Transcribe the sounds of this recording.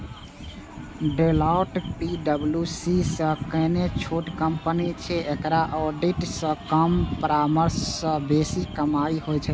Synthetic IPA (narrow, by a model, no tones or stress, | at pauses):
ɖelaʊʈpiɖəbljusisə̃kənet͡ʃʰoʈkəmpənit͡ʃʰɛekɾaʔɔɖiʈsə̃kəmpɾaməɾsːə̃besikəmaiɦojt͡ʃʰɛ